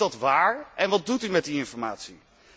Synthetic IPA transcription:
dɑtʋaːɹʔɛnʋɑd̚dutymɛt̚diɪnfɔɹmaːtsi

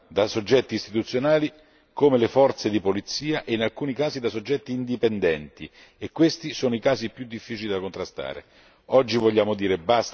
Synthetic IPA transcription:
d̪asod͡ʒːɛt̪ːiːst̪it̪ut̪sjonaːli | komelefɔrt̪sed̪ipolit̪sːiːaʔeinalkuːnikaːzid̪asod͡ʒːɛt̪ːiːnd̪ipɛnd̪ɛnt̪i | ekːwest̪isoːnoikaːzipjud̪ːifːiːt͡ʃilid̪akont̪ɾast̪a̰ːɾḛ | ɔd͡ʒːivoʎːaːmod̪iːɾebast̪

